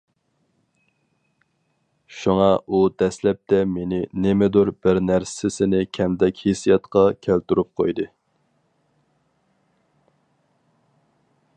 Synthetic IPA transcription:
ʃuŋɑud̪ɛslɛp̚t̪ʰɛmenɪnɪmɪd̪uɾbɪɾnæɾssɪsɪnɪkʲʰɛmd̪ɛkʲhesijɑt̪qɑkʲʰælt̪yɾup̚qʰo̰jd̪ɨ

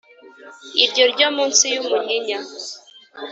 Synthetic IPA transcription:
iɾɟoɾɟomuːnsijumuɲiɲa

